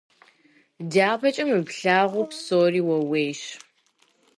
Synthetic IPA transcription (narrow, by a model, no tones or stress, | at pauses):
daːbɐt͡ʃʼɐmɨpɬaːʁʷʊpsoːriːwɐweːjʃ